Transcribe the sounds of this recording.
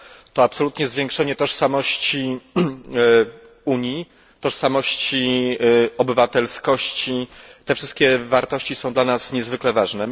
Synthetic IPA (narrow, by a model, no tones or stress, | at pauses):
t̪ɔapsɔlut̪ɲɛzvʲjeŋkʂɛɲɛt̪ɔʂsamɔɕt͡ɕi | uɲji | t̪ɔʂsamɔɕt͡ɕi | ɔbɘvat̪ɛlskɔɕt͡ɕit̪ɛfʂɘst̪̚kʲɛvaɾt̪ɔɕt͡ɕisɔ̃w̃d̪lanasɲɛzvɘklɛvaʐnɛ